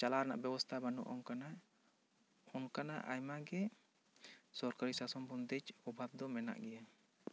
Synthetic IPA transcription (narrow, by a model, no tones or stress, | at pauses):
t͡ʃalaɾna̰ʔbɛbɔst̪ʰabanṵʔɔ̰ŋkana | ɔŋkanaʔa̰jmaɡɛ | sɔɾkaɾisasɔmbund̪ɛd͡ʒɔbʱab̚d̪ɔmɛna̰ʔɡɛja